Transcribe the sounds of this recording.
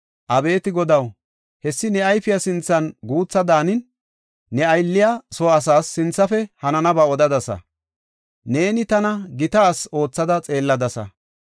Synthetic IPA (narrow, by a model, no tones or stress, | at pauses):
ʔɐbe̞ːt̪ɪɡɔd̪ɐw | hɛsːɪnɛɐjfɪjɐsɪnt͡sːɐnɡuːt͡sːɐd̪aːnɪnː | ɛɐjlːɪjasɔɐs̬aːsːɪnt͡sːɐfɛhɐnɐnɐbɐɔd̪ɐd̪ɐsɐ̰ | ne̞ːnɪt̪ɐnɐɡɪt̪aːso̞ːt͡sːɐd̪ɐt͡sʼe̞ːlːɐd̪ɐsɐ̰